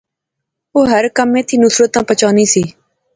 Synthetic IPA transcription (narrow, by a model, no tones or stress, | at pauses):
oːɦəɾkəmẽːt̪ʰiːnʊsɾət̪ãːpət͡ʃaːniːsiː